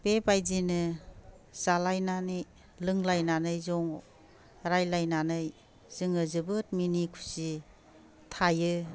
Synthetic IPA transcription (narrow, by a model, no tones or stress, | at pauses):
b̥ebajzinɯ | z̥alajnanɯj | lɯŋlajnanɯjzɔŋ | ɾajlajnanɯj | z̥ɯŋɯzɯbɯt̚minikʰu̥si | tʰajɯ